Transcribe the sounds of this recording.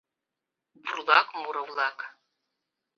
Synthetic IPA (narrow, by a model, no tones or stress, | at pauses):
burlˠakmuɾɐwlˠak